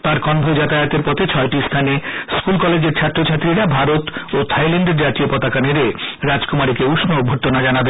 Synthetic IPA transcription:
t̪aɾkɔnb̪ʱod͡ʑat̪aeot̪eɾpɔt̪ʰet͡ɕʰɔeʈist̪ʰaneskulkɔled͡ʑeɾt͡ɕʰat̪ːɾot͡ɕʰat̪ːɾiɾabʱaɾot̪ot̪ʰajleɳɖeɾd͡ʑat̪iopɔt̪akaneɾeɾad͡ʑkomaɾikeuʃnobʱoʈːonad͡ʑanabe

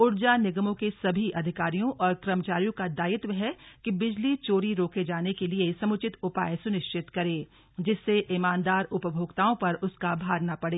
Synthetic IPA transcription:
ʊɾd͡ʒanɪɡmõkesɐbʱiʔɐd̪ʱɪkaːɾijõʔɔːɾkɾɐmət͡ʃaːɾijõkad̪aːɪt̪ʋəɦɛkibɪd͡ʒlit͡ʃoːɾiɾoːked͡ʒaːnekeliesɐmʊt͡ʃɪt̪ʊpa̰ːjsʊnɪʃt͡ʃɪt̪kɐɾeː | d͡ʒɪsːeʔɪmaːnd̪aːɾʊpəbʱoːɡt̪aːõpɐɾʊskabʱaːɡnapɐɽeː

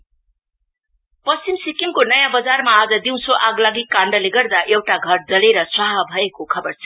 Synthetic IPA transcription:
pʌst͡simsikimkonʌjãbʌd͡zarmaːd͡zʌd̪iw̃t͡sʰoʔaɡlaɡikaɳɖʌleɡʌrd̪aʔewʈaɡʱʌrd͡zʌleɾʌswʌɦabʱʌekokʰʌbʌrt͡sʰʌ̥

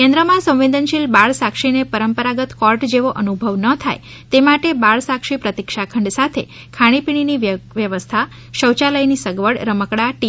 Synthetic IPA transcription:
kɛ̃nd̪ɾəmãsə̃w̃ʋed̪ʱənʃilbaɭsakʂinepəɾəmpəɾaɡət̪kɔɾʈd͡ʒeʋoʔənubʱəʋnət̪ʰaj | t̪emaʈebaɭsakʂipɾət̪ikʂakʰəɳɖsat̪ʰḛ | kʰaɽ̃ipiɽ̃iniʋʋjəʋəst̪ʰa | ʃəwt͡ʃaləjnisəɡʋəɽɾəməkɽaʈi

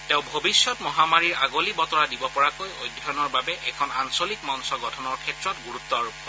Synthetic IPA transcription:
tẽʊ̃bʱobisjɔtmɔɦamaɹiɹaɡolibɔtɔɹadibɔpɔɹakojojdʱɔɔnɔɹbabɛʔɛkʰɔnansolikmɔnsɔɡɔtʰɔnɔɹkʰɛtɹɔtɡuɹut̪ːɔaɹupɔ

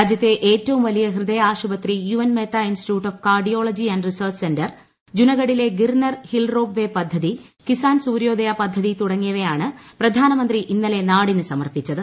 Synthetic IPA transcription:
aːd͡ʑjɐt̪ːeʔeːtːɐʋumʋɐlijɐɦrɨd̪ɐjaːʂubɐt̪rijuʋɐnmet̪ʰːaːinsi̥tuːʈːofkaːrɖijo̞ːɭɐd͡ʑiɐnɖrisɐːrt͡ɕsendɐr | d͡ʑunɐɣɐɽile̞ɡirnɐrhilroːbʋe̞pɐd̪ʱːɐðikisaːnsuːɾjo̞ːd̪ɐjɐpɐd̪ʱːɐðit̪uɽɐŋːijɐʋejaːɳɨprɐd̪ʱaːnɐmɐnd̪riʔinːɐle̞naːɽinɨsɐmɐrpit͡ɕːɐðɨ

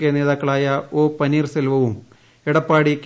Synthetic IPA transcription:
kːene̞ːðaːkːɐɭaːjɐoːpɐniːrselʋɐʋum | eɽɐpːaːɽikʲː

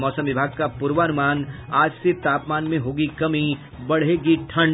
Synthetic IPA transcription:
mɔːsə̃mʋɪbʱaːɡ̚kapuɾʋaːnʊmaːnaːd͡ʒset̪aːpmaːnmẽɦoːɡikɐmi | bɐɽ̤ɦeɡiʈʰɐ̃ɳ

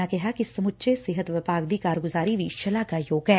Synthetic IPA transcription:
akɛɦakisɐmʊtːt͡ʃesɪɦət̪ʋɪpaːɡd̪iːkaːɾɡʊzaːɾiʋiːʃɐlaːkajoːɡɛː

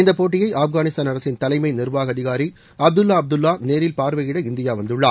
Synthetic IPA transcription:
ɪnd̪ɐpːoːʈːɪjɐɪʔaːfɣaːnɪst̪aːnɐɾɐsɪnt̪ɐlɐɪmɐɪnɪrʋaːɣɐðɪɣaːɾi | ɐb̚d̪ɯlːaːɐb̚d̪ɯlːaːneːɾɪlpaːɾʋɐjɪɽɐɪnd̪ɪjaːʋɐnd̪ɯɭːa̰ː

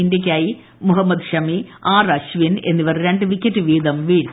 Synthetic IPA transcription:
indek̬ʲːaːji | muɦɐmːɐd̪ɕɐmiaːrɐɕʋine̞nːiʋɐrɨɾeɳɖɨʋikʲːɐtːɨʋiːd̪ɐmʋiːɽ

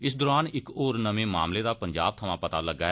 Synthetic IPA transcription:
ɪs̬d̪oːɾaːnɪkoːɾnəmẽːmaːmleːd̪aːpəɲd͡ʒa̰ːb̚t̪ʰəmãːpət̪aːləɡaːɛ

